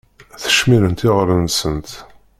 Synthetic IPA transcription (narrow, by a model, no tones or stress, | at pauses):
θə̥ʃmiɾənt̪ɪʁɾənsənt̪